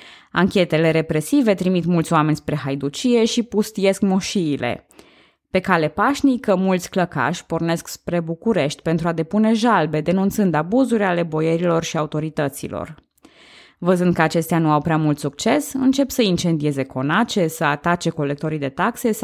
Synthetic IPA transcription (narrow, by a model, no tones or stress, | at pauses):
aŋkʲe̞t̪e̞le̞ɾe̞pɾe̞sive̞t̪ɾimit̪mult̪sʲoame̞nʲspɾe̞ɦajd̪ut͡ʃije̞ʃipust̪ije̞skmoʃiːlʔe̞̰ | pe̞kale̞paʃnikəmult̪sʲkləka̰ʃʲpo̞rne̞skspɾe̞bukuɾe̞ʃt̪ʲpe̞nt̪ɾuad̪e̞pune̞ʒalbe̞d̪e̞nunt̪sɨnd̪abuzuɾʲale̞bo̞je̞ɾilo̞rʃiaut̪o̞ɾit̪ət̪sḭlo̞̰r | vəzɨnd̪̚kəat͡ʃe̞st̪eanuawpɾeamult̪suk̚t͡ʃe̞sɨnt͡ʃe̞psəint͡ʃe̞nd̪ie̞ze̞kʰo̞nat͡ʃe̞səat̪at͡ʃe̞ko̞le̞k̚t̪o̞ɾid̪e̞t̪akse̞